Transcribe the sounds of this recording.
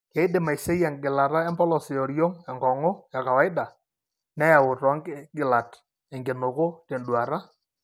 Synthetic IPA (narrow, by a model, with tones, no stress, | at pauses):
ke˨ɪ˦dɪ˨ma˨jse˦ja˨ŋɡɪ˨la˨ɾa˦ɛ˦mbɔ˦lɔ˨sɪ˨ɔ˨ɾjo˦ŋɛ˨ŋɡɔ˨ŋo˦ja˨ka˨wa˨˦ɪ˦da˨ | nɛ˦ja˨wʊ˨tɔ˨˦ŋɡɡɪ˨la˨t | ɛ˨ŋɡɪ˨nʊ˨kʊ˦te˨ndu˨a˨ɾa˦